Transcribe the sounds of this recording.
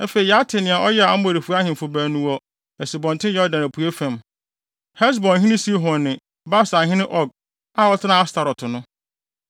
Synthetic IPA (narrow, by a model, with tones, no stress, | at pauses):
a˦fe˨i˨ja˦tʰɪ˨nɪ̃˨a˨ʔɔ˦jɛ˦a˨a˦m˦o˨ɾi˨fu˦a˦hɪ̃˨m˨fʊ˨bæː˨nũ˨ɔ˦ | ɛ˨si˨bɔ̃˨n˨tʰɪ̃˦jɛ˦ɔ˦dã˨næ˨pʰu˨e˦fæ̃˨m | hɛ˦s̬bɔ̃˨nɦĩ˦nɪ̃˦si˦ɦɔ̃ː˨ɪ̃˨ | ba˦sa˨ɦɪ̃˦nɪ̃˦ʔɔ˦˨ɡ̚ | a˦˨ɔ˦tʰɪ˦nã˦a˦stʰa˨ɾɔ˨tʰʊ˨nʊ̃˦